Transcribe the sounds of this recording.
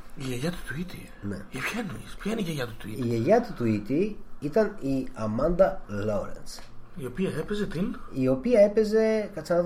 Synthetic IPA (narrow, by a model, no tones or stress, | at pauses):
iʝeʝɐt̪u̥t̪uit̪i | nḛipçɐinuispçɐineiʝeʝɐt̪ut̪uitiʝeʝɐt̪ut̪uit̪iit̪ɐniɐmɐnd̪ɐlo̞ɾḛns | io̞piɐepezet̪inio̞piɐe̞pe̞ze̞kɐt͡sɐð